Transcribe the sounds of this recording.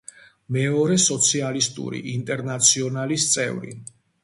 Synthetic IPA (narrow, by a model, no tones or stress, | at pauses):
mɛɔɾɛsɔt̪sʰialist̪ʼṵɾḭʔint̪ʼɛɾnat̪sʰiɔnalist̪sʼɛ̰vɾḭ